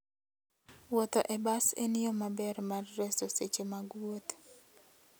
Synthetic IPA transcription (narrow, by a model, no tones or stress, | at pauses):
wɔt̪oʔɛbasḛnɪjɔmabɛrmarːɛsoset͡ʃemaɡwot̪